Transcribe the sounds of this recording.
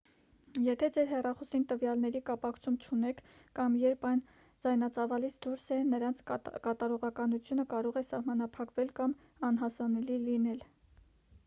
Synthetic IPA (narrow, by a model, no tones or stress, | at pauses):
jɛt̪ʰɛd͡zɛɾɦɛrɑχɔsint̪əvjɑlnɛɾikɑpɑkʰt͡sʰumt͡ʃʰunɛkʰːɑmjɛɾpʰɑjn | d͡zɑjnɑt͡sɑvɑlit͡sʰd̪uɾsɛnəɾɑnt͡sʰkɑt̪ɑɾɔʁɑkɑnut͡sʰjunəkɑɾɔʁɛsɑhmɑnɑpʰɑkvɛlkɑm | ɑnɦɑsɑnɛlilinɛl